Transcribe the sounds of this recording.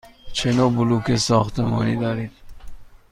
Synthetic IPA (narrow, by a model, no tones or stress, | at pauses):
t͡ʃʰenobulukesɔːxt̪emɔ̰ːnid̪ɒːɾid̪̥